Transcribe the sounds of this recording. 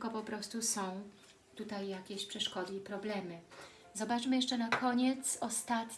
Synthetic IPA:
kɔpɔpɾɔst̪usɔ̃w̃ | t̪ut̪ajːakʲeɕpʂɛʂkɔd̪ɘipɾɔblɛmɘ | zɔbat͡ʂmɘjɛʂt͡ʂɛnakʰɔɲɛt̪sɔst̪at̪

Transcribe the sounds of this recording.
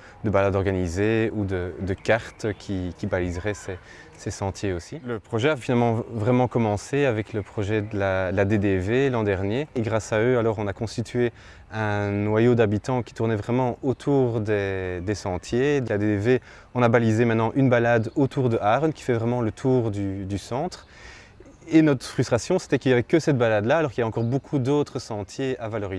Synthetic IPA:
d̪əbalad̪ɔʁɡanizeud̪əd̪əkaʁt̪kʲʰikʲibalizʁɛsɛ | sɛsɑ̃t̪ʰjeosiləpχɔʒɛafinalmɑ̃vʁɛmɑ̃kɔmɑ̃seavɛkləpχɔʒɛd̪əlad̪əlad̪ed̪evelɑ̃d̪ɛʁnjeːɡʁasaøalɔʁɔ̃nakɔ̃st̪it̪ʰɥe | ɛ̃nwajod̪abit̪ɑ̃kʲi̥t̪uʁnɛvʁɛmɑ̃ot̪ʰuːʁd̪ɛd̪esɑ̃t̪ʰjed̪əlad̪ed̪eve | ɔ̃nabalizemɛt̪nɑ̃ʔynbalad̪ot̪uʁd̪əʔaʁnkʲi̥fɛvʁɛmɑ̃lət̪ʰuʁd̪yd̪ysɑ̃t̪χ | enɔt̪χəfχyst̪χasjɔ̃se̥t̪ɛkiljavɛkəsɛt̪̚balad̪laːlɔʁkiljavɛɑ̃kɔʁbokʰud̪ot̪χəsɑ̃t̪ʰjeavalɔʁi

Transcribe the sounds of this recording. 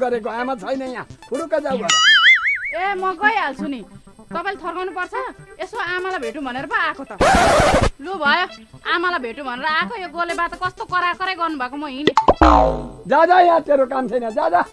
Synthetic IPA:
ɡʌɾekoamat͡sʰʌjnʌjãpʰuɾukad͡zawbʱʌ | emʌɡʌjalt͡sʰuni | t̪ʌpaĩlat̪ʰʌrkawnupʌrt͡sʰʌesmaamalabʱeʈũbʱʌneɾʌpʌakʰot̪ʌ | lubʱʌjoamalabʱeʈubʱʌneɾʌakʰojoɡolebat̪ʌkʌst̪okʌɾakʌɾejɡʌrnubʱakomʌɦine | d͡zad͡zajãt̪eɾokamtʰʌjnʌd͡zad͡za

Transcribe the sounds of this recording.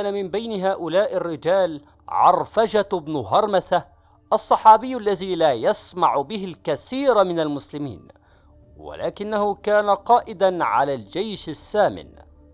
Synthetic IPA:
kaːnamɪmbajnɪɦaːʔʊlaːʔɪrːɪd͡ʒaːl | ʕɑ̰rˤfad͡ʒabnʊɦɑɾˤmaθa | ʔɑsˤːɑħɑːbɪjːʔalːaðiːlaːjasmaʕbɪɦɪlkaθiːɾmɪnalmʊslɪmḭːn | wa̰la̰ːkɪnːahʊkaːnaqɑːʔɪd̪anʕa̰laːld͡ʒajʃasːaːmɪ̰n

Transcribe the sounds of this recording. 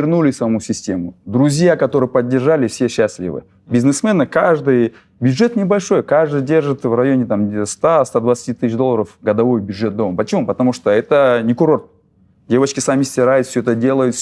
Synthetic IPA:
rnulʲɪsɐmɐmusʲɪsʲtʲe̞mʊd̪ɾʊzʲjakɐt̪o̞ɾɨjpɐdʲːɪrʐalʲɪfsʲeɕːasʲlʲḭvɨ̰ | bʲɪznɨsmɛnɨkaʐd̪ɨj | bʲjʊdʐɛt̪nʲɪbɐlʲʂo̞jkaʐd̪ɨjdʲe̞rʐɨt̪vrɐjo̞nʲɪt̪amst̪ast̪ad̪vɐt̪sɨ̥tʲit̪ɨɕd̪o̞lˠəɾəfɡɐd̪ɐvo̞jbʲjʊdʐɛt̪̚d̪ompət͡ɕɪmupɐt̪ɐmuʂt̪oɛt̪ənʲɪkʊɾo̞rt̪̚ | dʲevət͡ɕkʲɪsamʲɪsʲtʲɪɾajʊt̪fsʲoɛt̪ədʲe̞lˠəjʊt̪fʲ

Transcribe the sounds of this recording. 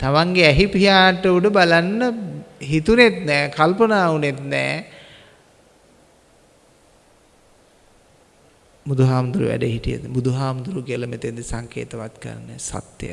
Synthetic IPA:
t̪amaŋɡeæɦipiɦjaːʈəuɖəbalanːəɦit̪unet̪nɛːkalpənaːunet̪nɛ̰ː | bud̪uɦaːmund̪uɾṵʋæ̰ɖəɦiʈijə̰d̪əbud̪uɦaːmud̪uɾukiələmet̪end̪esaŋkḛːt̪əʋat̪kə̰ɾa̰nəsa̰t̪ːjə̰

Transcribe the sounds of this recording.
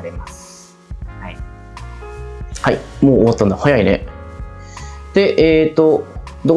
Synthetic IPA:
ɾemas | hai | haimoːoβat̪ːãnahajaine̞̰ | d̪̥e̞ʔeːt̪ːo̞ | d̪o

